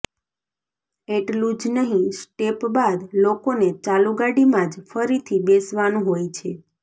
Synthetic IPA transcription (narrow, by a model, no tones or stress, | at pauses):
eʈlũd͡ʒnəɦĩsʈepbad̪lokonet͡ʃaluɡaɽimãd͡ʒfəɾit̪ʰibesʋanũɦojt͡ʃʰe